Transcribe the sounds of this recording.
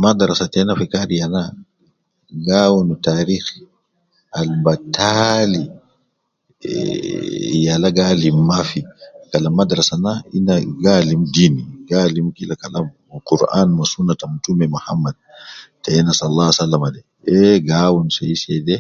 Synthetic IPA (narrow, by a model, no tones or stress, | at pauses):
madɾasatɛnafikaɾijana | ɡawunutaːɾiːx | ʔalbatʰali | jalaɡalimːafikalamadɾasanaḭnːaɡalimdiːniɡaːlimkilakalam | quɾʔa̰ːnmasunːatamutumɛmuhamːad̚tɛɛnasallːasalːamadɛ | ɛɡawunsajisɛdɛ